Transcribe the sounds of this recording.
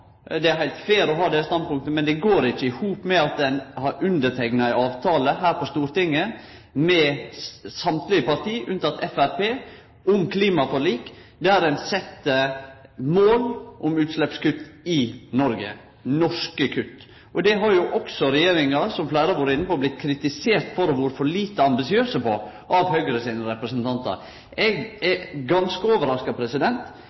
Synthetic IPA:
d̪ɛæɾhæɪlt̪feːɾɔɦɑːd̪ɛəst̪ɑnd̪pʊŋk̚t̪əmɛnd̪ɛɡoːɾɪt͡ʃːəɪhuːpmɛɑt̪̚d̪ɛnhɑɾʉnd̪ətʰɛɪknɑɪɑːʋt̪ʰɑːləɦæːɾpɔst̪uːɾt̪ɪŋːə | mɛ | sɑmt̪lɪəpɑɾt̪ʰiːʔʉnt̪ʰɑt̪ɛfæɾpeː | ʊmkʰliːmɑfɔɾɭiːkd̪ɛæɾɛnsɛt̪ːə | moːlʔʊmʉːt̪slɛpskʉt̪ːɪnɔɾɡə̰ | nɔʂkəkʰʉt̪ː | ʔɔd̪ɛɦɑɾjʊʔɔksɔɾɛjeːɾɪŋɑsɔmflæːɾɑʋoːɾəɪnːəpɔblɪt̪kʰɾɪt̪ɪseːɾt̪fɔɾɔʋʊːɾfɔɾɭiːt̪əɑmbɪsɪøːsəpɔ | ʔɑʋhœʏɡɾəsiːnəɾɛpɾəsnt̪ʰɑnt̪ə̰ɾ | ɛɡɛɡɑnskəoːʋəɾɑskɑpʰɾɛsɪd̪ɛnt̪

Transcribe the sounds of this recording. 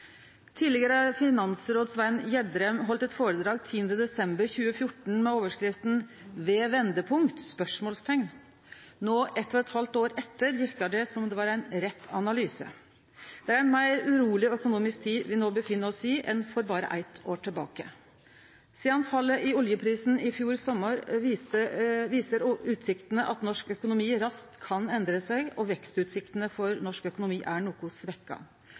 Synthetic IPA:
t̪ʰiːlɪɡəɾəɑɾfɪnɑnsɾoːd̪sʋænjɛd̪ɾɛmɦɔlt̪ɛt̪foːɾəd̪ɾɑːɡt̪ʰiːənd̪əd̪ɛsɛmbəɾçʉːəfjʊʈn̩mɛoːʋəʂkɾɪft̪n | ʋeːʋɛnd̪əpʰʊŋkt̪spœʂmoːlst̪ʰɛŋn | noːʔɛt̪ːɔɛt̪hɑlt̪oːɾɛt̪ːəɾʋɪɾkəɖɛsɔmd̪ɛʋɑːɾæɪnɾɛt̪ʰːɑnɑlyːsə̰ | d̪̥ɛæɾæɪnmæɪɾʉɾuːlɪɔœkʊnuːmɪsk̚t̪ʰiːd̪ʋɪnoːbəfɪnːəɾɔsiːʔɛnfɔɾbɑːɾə̰ʔæ̰ɪt̪ʰoːʈʰɪlbɑ̰ːkə̰ | siːɑnfɑlːəʔɪʊljəpʰɾiːsn̩ɪfjuːɾsɔmːəɾ | ʋiːsəɾʉːt̪sɪkt̪ənəʔɑt̪nɔʂkœkʊnʊmiːɾɑst̪kʰːɑnɛnd̪ɾəsæɡɔʋɛkst̪ʉːt̪sɪkt̪ənəfɔɾnɔʂkœkʊnʊmiːʔæɳuːkʊsʋɛkːɑ̰

